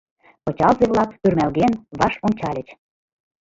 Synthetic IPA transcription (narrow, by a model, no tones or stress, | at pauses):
pɤt͡ɕɑlzeβlɑkpyrmælɣenβɑʃonʲt͡ɕɑlʲə̆t͡ɕ